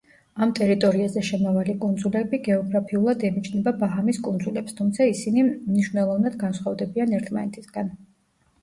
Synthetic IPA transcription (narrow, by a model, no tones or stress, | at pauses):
amt̪ʼɛɾit̪ʼɔɾiazɛʃɛmavalikʼund̪zulɛbiɡɛɔɡɾapʰiulˠad̪ɛmit͡ʃʰnɛbabaɦamiskʼund̪zulɛpst̪ʰumt̪sʰaisinimniʃvnɛlˠɔvnad̪ɡansχwavd̪ɛbianɛɾt̪ʰma̰nɛt̪ʰisɡ̥an